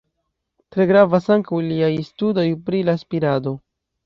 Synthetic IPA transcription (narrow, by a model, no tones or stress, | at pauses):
tɾe̞ɡɾavasaŋkawliajstudo̞jpɾilaspiɾado̞